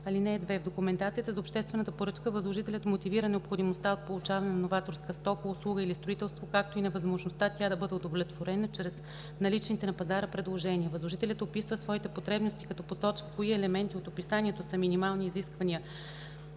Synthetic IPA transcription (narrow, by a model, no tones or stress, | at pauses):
ɐlinɛːd̪vɛvd̪okumɛnt̪at̪sijət̪əzopʃt̪ɛst̪vɛnət̪əpoɾɤt͡ʃkəvəzlˠoʒit̪ɛlʲət̪mot̪iviɾənɛopxod̪imost̪aot̪̚polˠut͡ʃavɐnɛnɐnovat̪oɾskəst̪ɔkoʊslˠuɡəilist̪ɾoit̪ɛlˠst̪vokak̚t̪oinɐvɐzmoʒnost̪at̪ʲad̪ɐbɤd̪ɛod̪ovlʲɛt̪voɾɛnət͡ʃɾɛs | nɐlit͡ʃnit̪ɛnɐpɐzaɾəpɾɛd̪lˠoʒɛniəvəzlˠoʒit̪ɛlʲət̪opisvəsvɔit̪ɛpot̪ɾɛbnost̪i̥kɐt̪ɔposɔt͡ʃvəkoiɛlɛmɛnt̪iot̪opisaniɛt̪osəminimalˠniːziskvɐniə